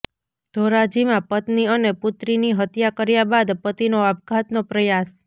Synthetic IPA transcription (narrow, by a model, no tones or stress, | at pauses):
d̪̥ʱoɾad͡ʒimãpət̪niənepʊt̪ɾiniɦət̪jakəɾjabad̪pət̪inoabɡat̪nopɾəjas